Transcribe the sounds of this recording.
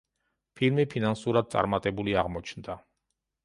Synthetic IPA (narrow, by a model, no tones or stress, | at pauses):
pʰilmipʰinansuɾad̪̚sʼa̰ɾmat̪ʼɛbuliaʁmɔt͡ʃʰnd̪a